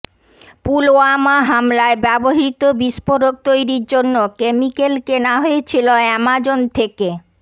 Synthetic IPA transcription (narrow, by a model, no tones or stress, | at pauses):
puloamaɦamlaebɛboɦit̪obiʃpoɾok̚t̪ojɾiɾd͡ʑonːokemikelkenaɦoet͡ɕʰiloɛmad͡ʑont̪ʰeke